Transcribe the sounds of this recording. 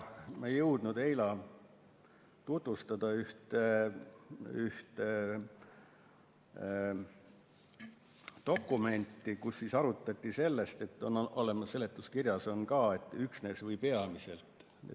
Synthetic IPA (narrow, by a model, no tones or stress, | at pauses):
mɑejɤwd̪̥nud̪̥e̞jlɑ | t̪ut̪vust̪ɑd̪̥ɑyht̪e | yht̪e | t̪o̞kːˑume̞nʲt̪ˑːikusːisɑɾut̪ːˑɑt̪ʲˑːise̞lːe̞st̪e̞t̪ːˑo̞no̞lemɑsːe̞le̞t̪ːˑuskirjɑso̞nkɑːe̞t̪ːˑyksne̞ːsvɤjpe̞ɑmise̞lt̪ˑ | ḛ